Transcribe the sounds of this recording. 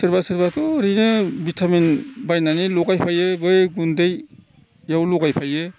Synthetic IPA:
sɯɾbasɯɾbatɔɾinɯbitʰamenbajnanilɔɡajpʰajebɯjɡundɯj | jawlɔɡajpʰaje

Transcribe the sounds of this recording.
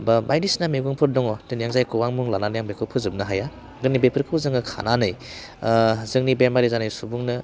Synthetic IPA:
bɐmʔajdisnameɡuŋpʰɯɾdɔŋɔtɯnjaŋzajkʰɯwaŋmuŋlananjaŋbekʰɯpʰɯzɯp̚nɯɦaja | ɡɯnibepʰɯɾkʰɯwzɯŋɯkʰa̰nanɯj | zɯŋnibemaɾizanɯjsubuŋnɯ

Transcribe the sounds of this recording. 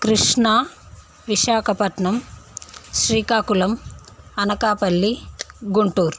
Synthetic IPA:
kɾiʂɳɐ | ʋiʃaːkʰɐpɐʈɳɐm | ʃɾiːkaːkulɐmɐnɐkaːpɐɭːiɡuɳʈuːɾ

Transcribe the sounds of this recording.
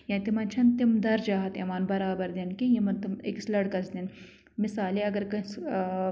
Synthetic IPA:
jɐ̃ːnt̪imɐnt͡ʃʰɐnt̪imd̪ɐɾd͡ʒaːɦɐt̪ɐʋaːnbɐɾaːbɐɾd̪inkijimɐnt̪imḭkslɐɽkɐsd̪in | misaːleɐɡɐɾkɐs

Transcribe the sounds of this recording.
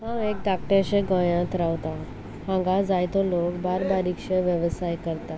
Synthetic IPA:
hãek̚d̪ak̚ʈẽɕẽɡəjãt̪ɾaʋt̪a | hãŋɡad͡zajt̪ɔlokbaɾbaɾikɕeʋjəʋsajkəɾt̪a

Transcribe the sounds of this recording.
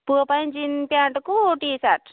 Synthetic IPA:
pupajnd͡ʒinpjaɳʈkuʈisaʈ

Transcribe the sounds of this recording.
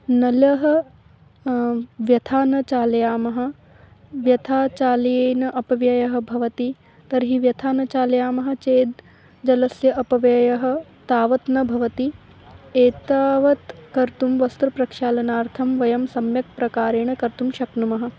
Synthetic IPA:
nɐlɐɦɐ̆ | ʋjɐt̪ʰaːnɐt͡ʃaːlɐjaːmɐɦɐ̆ | ʋjɐt̪ʰaːt͡ʃaːljeːnɐʔɐpɐʋjɐjɐɦɐ̆bʱɐʋɐt̪i | t̪ɐɾɦiʋjɐt̪ʰaːnɐt͡ʃaːlɐjaːmɐɦɐ̆t͡ʃeːd̪ | d͡ʒɐlɐsjɐʔɐpɐʋjɐjɐɦɐ̆t̪aːʋɐt̪nɐbʱɐʋɐt̪i | eːt̪aːʋɐt̪kɐɾt̪umʋɐst̪ɾupɾɐkʃaːlɐnaːɾt̪ʰɐmʋɐjɐmsɐmjɐk̚pɾɐkaːɾeːɳ̃ɐkɐɾt̪umʃɐknumɐɦɐ̆

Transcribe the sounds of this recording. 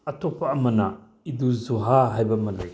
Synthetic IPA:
ɐtʰɔpʰːɐːmɐnɐ | iduzuɦaɦajbɐmɐllḛj

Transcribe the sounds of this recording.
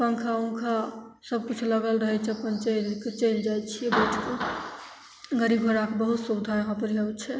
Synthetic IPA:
pəŋkʰaũkʰa | səb̚kut͡ʃʰləɡəlɾəɦɛt͡ʃʰɛpənt͡ʃenket͡ʃend͡ʒajt͡ʃʰijɛbeʈʰke | ɡəɾibʱoɾakebəɦut̪sud̪ʱaɾɦɔpɾiəwt͡ʃʰɛ

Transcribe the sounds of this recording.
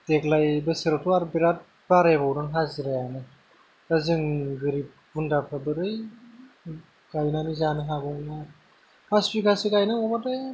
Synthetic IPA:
teklajbɯseɾɔtʰuaɾbiɾat̚ | baɾebawɾɯŋɦaziɾajanɯ | kazɯŋɡɯɾip̚ | bundapʰabɯɾɯj | ɡ̥ajnanɯzanɯɦabɔna | pʰasbikʰasiɡajnamɔbate

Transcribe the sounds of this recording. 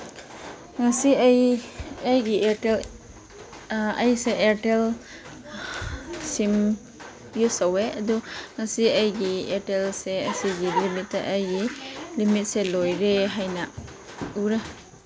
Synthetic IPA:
ŋasiajɐjɡieel | ɐjseʔeɾtel | sim | ɡisaweɐduŋasiajɡietelseɐsiɡilimitːaʔɐjɡilimit̚selojɾeɦajna | uɾa

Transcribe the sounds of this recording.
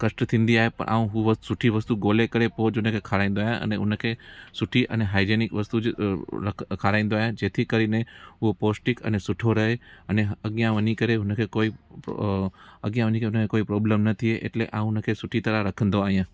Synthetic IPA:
kəʃʈət̪ʰĩnd̪iaɦepə̰ɳʔa̰ũɦũʋəsuʈʰiʋəst̪uɡolekəɾepod͡ʒɦũnəkʰekʰaɾaĩn̆d̪oajãʔə̰neɦṵ̃nəkʰesuʈʰiʔə̰neɦaid͡ʒenikʋəst̪ud͡ʒəkʰaɾãĩnd̪oajãd͡ʒet̪ʰikəɾineɦũposʈikə̰nesʊʈʰoɾəɦeəneɦəɡjãʋənikəɾeɦũnəkʰekoi | ə̰ɡjãʋənikeɦunəkekoipɾɔblemnət̪ʰieʔḛʈleʔaɦũnəkʰesuʈʰit̪əɾaɾəkʰənd̪oaijã

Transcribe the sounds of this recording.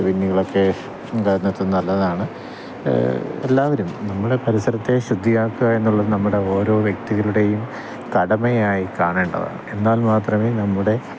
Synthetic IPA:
pinːuɣɐɭo̞kːe̞ | kɐɾunːɐt̪ːenːɐlːɐðaːɳɨ | ḛlːaːʋɐɾumnɐmːuɽe̞pɐɾisɐɾɐt̪ːe̞ɕud̪ʱːijaːkːuɣɐe̞nːuɭːɐðɨnɐmːuɽe̞o̞ːɾo̞ːʋjek̚t̪iɣɐɭuɽe̞jum | t̪ɐɽɐmejaːjikaːɳeːɳɖɐ̰ða̰e̞nːaːlmaːt̪rɐmeːnɐmːuɽe̞

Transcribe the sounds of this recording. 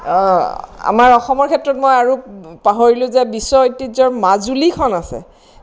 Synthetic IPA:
ɔ | a̰maɹɔxɔmɔɹkʰɛtːɹɔtmojaɹupaɦoɹilʊ̃zɛbisːɔojtːizɔɹmazulikʰɔnasɛ̰

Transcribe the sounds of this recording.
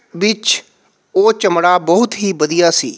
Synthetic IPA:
ʋɪt͡ʃ | oːt͡ʃəmɽaːbɔɦʊt̪ɦiːbəd̪ijaːsḭː

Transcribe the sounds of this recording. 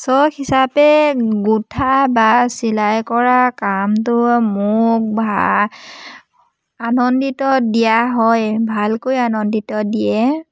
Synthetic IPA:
sɔkhisapɛɡutʰabasilajkɔɹakamtʊmʊk̚ba | anɔnditɔdijaɦɔjbʱalkojanɔnditɔdijɛ

